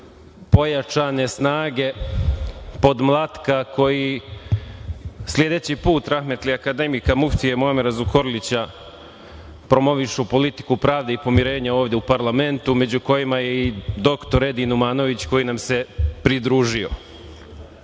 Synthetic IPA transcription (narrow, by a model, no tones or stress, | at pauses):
po̞jat͡ʃane̞snaːɡe̞ | po̞d̪mlˠat̪kakʰo̞ji | slʲje̞d̪e̞t͡ɕipuːt̪ɾaxme̞t̪liakad̪e̞mikamuft̪ijemoameɾazuko̞ɾlit͡ɕa | pɾo̞mo̞ʋiʃupo̞lit̪i̥kupɾaːʋd̪eipo̞miɾe̞ːɲao̞ːʋd̪jeupaɾlˠame̞nt̪ume̞d͡ʑuko̞jimajeid̪o̞kt̪o̞ɾe̞d̪inumaːno̞ʋit͡ɕko̞jinamse̞pɾid̪ɾuːʒio̞̰